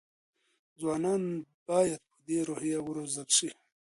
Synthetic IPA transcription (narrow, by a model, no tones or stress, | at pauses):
zwɑːnɑːnb̥ɑːjad̪̚pəd̪eɾohijawuɾozakʂi